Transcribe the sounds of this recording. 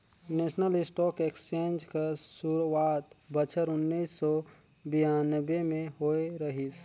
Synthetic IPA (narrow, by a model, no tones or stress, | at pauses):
nesnəlɪsʈɔːkekst͡ʃẽnd͡ʒkesuɾwat̪bət͡ʃʰəɾʊnːisːɔ | bijanəbːemẽɦoeɾəɦis